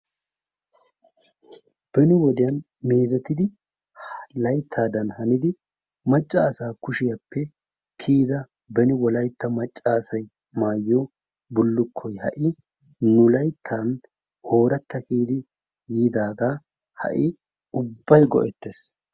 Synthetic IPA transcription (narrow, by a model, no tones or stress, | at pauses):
b̥ɛnɪwɔd̪ɪjɐn | meːzɛt̪ːɪd̪ɪ | lɐjt̪ʰːaːd̪ɐnhɐnɪd̪ɪ | mɐt͡ʃʼːɐːsaːkʊʃɪjɐpʰːɛ | kʰiːd̪ɐ | bɛnɪwɔlɐjt̪ːɐmɐt͡ʃʼːaːsɐj | maːjːɔ | bʊlːʊkʰːɔjhɐ̰ʔɪ | nʊlɐjt̪ʰːaːn | ho̞ːɾɐt̪ːɐkiːd̪ɪ | jiːd̪aːɡ̪aː | hɐ̰ʔɪ | ʊbːɐjɡɔ̰ʔɛt̪ːeːs